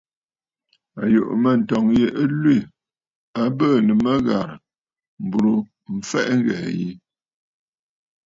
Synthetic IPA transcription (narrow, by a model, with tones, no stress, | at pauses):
a˨jo̰˨ʔmə˨n̩˨tɔ˨ŋje˨ʔə˦lwi˦˨ | a˦bə˦˨nə˨mə˦ɣa˨ɾ | m̩˨bu˨ɾu˨ | m̩˨fɛ˦ʔŋ˦ɡɛ̰ː˨ji˦